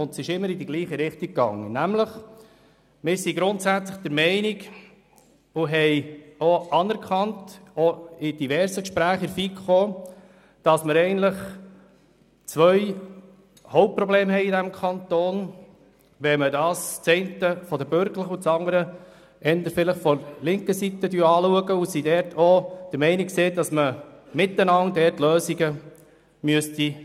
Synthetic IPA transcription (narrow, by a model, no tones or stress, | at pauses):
ʊntsɪʃɪmːəɾɪd̪iɡliːχəɾɪχtikːɑŋːə̰næmləχ | mɪːɾsiɡɾʊnt̪sæt͡sləχd̥̪əɾmɛɪniɡ | ʊɦɛɪoʔɑnɛɾkʰɑntɔɪd̥ivɛɾsəkʃpɾæːχɪɾfikχoː | d̥ɑsməɾɛɪənt̪ləχ | t͡sʋœj | hɔʊp̚pɾɔbleːmhɛɪidæmkʰɑnt̪oːn | ʋɛmədɑːst͡sɛɪntəfɔd̪əbøɾɡləχut͡sɑŋəɾə | ɛnd̪əɾfɪləχfɔlɪŋkəsit̪ːədyːɾɑːluəɡəusidɛɾtʰɔd̥əɾmɛɪnikseːdɑsməmɪt̪ːənɑŋdɛrtløːsiɡə | myəsti